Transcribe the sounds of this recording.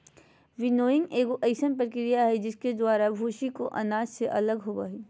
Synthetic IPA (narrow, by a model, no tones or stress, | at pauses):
ʋɪnoːɪ̃ŋɡeːkoʔɐɪsənpəɾkɾijaɦɛd͡ʒɪsked̪waːɾabʱuːʃikoʔɐ̰naːd͡ʒseʔɐləɡɦoːbaːɦiː